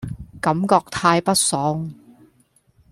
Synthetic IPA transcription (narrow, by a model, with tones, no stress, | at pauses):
kɐ˨˥mkɔː˧k̚t̪ʰaː˧jpɐ˥t̚sɔː˨˥ŋ